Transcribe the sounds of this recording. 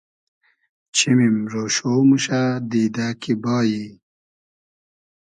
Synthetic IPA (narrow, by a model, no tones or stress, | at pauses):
t͡ɕʰimimɾoːɕoːmuɕad̪iːd̪aːkʰibɑːji